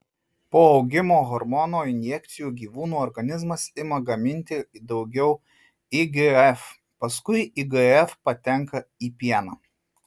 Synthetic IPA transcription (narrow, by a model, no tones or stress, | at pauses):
poːɒʊɡʲɪmoːɣɔɾmɔnoːɪnʲjɛk̚t̪sʲɪjuːɡʲiːʋuːnuːɔɾɡɐnʲɪzmɐsɪmɐɡɐmʲɪnʲt̪ʲɪd̪ɒʊɡʲɛʊ | ɪɡɨɛf | pɐskʊɪɪɡɨɛfpɐt̪ʲɛŋkɐiːpʲiɛnɑ̰ː